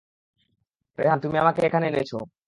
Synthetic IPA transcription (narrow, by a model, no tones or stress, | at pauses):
ɾḛɦant̪umiamakeekʰaneenet͡ɕʰo̰